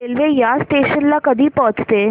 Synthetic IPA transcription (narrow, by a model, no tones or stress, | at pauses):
elʋejasʈeːʃənlakəd̪ʱiːpɔɦət͡st̪e